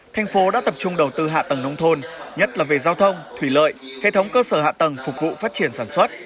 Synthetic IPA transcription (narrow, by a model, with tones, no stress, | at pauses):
t̪ʰa˧jŋ̟fo˨˦ɗa̰ː˧˥t̪ə˨˩p̚t͡ɕʊ˧ŋ͡mɗə˨˩wt̪ɨ˧ɦa̰ː˧˨t̪ə˨˩ŋnə˧wŋ͡mt̪ʰo˧nɲə˦˥t̚laː˨˩ve˨˩zaː˧wt̪ʰə˧wŋ͡mt̪ʰwi˧˩lə̰ː˧˨jhḛ˧˨t̪ʰə˨˦wŋ͡mkəː˧səː˧˩ha̰ː˧˨t̪ə˨˩ŋfʊ˨˩k̚vṵ˧˨faː˦˥t̚t͡ɕi˧˩ənsaː˧˩nswə˦˥t̚